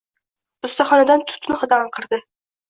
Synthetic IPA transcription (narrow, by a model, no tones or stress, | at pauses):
ʊst̪aχɒnad̪ant̪ʰʊ̥t̪nɪχɨd̪ɑɑqʰɨɾd̪ɪ